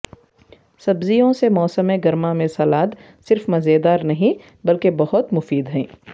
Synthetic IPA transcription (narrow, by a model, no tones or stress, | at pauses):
sɐbzijõsemɔːsəmẽɡɐɾmamẽsɐːlaːt̪ | sɪɾfmɐzeːd̪aːɾnɐɦĩ | bɐlkebɐɦʊt̪mʊfiːd̪ɦɛ̃ː